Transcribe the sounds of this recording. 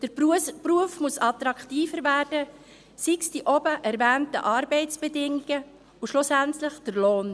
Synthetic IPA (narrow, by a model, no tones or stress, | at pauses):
d̥əɾppruəfmusɑt̪ɾɑkχtiːfəɾvæːrd̥ə | siksd̥iʔɔbəʔæɾvɛːntə̰ʔɑːɾbɛɪt͡sb̥ɛdɪŋiɡ̥ə | ʊʃlʊsæntləχd̥əɾloːn